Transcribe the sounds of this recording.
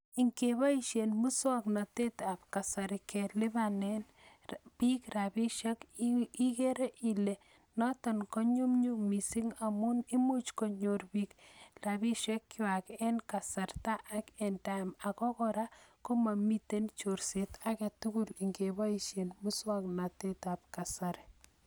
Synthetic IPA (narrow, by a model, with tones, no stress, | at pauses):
i˨ŋkeβa˦iʃenmu˦swa˦kna˨te˦ta˨p̚ka˨sa˨ɾike˨lɪ˦βane˦n | pi˦kra˨bi˦ʃe˦ki˦ke˦ɾe˦ʔi˨le˨ | nɔ˦tɔ˨nkɔ˦ɲu˦mɲu˦mi˨si˦ŋa˨mu˦ni˦mu˦t͡ʃkɔ˨ɲo˨rbi˦kraβi˦ʃɛ˦kːɪ˦wa˨kɛ˦nka˨sa˨rta˦ʔakɛ˨nta˨ma˨kɔ˦kɔɾa˦ko˦ma˨mi˦te˦nt͡ʃo˨ɾse˨tʰa˦ke˨tu˦ku˦li˨ŋɡebɔ˦iʃe˨nmu˦swakna˨te˦ta˨p̚ka˨saɾi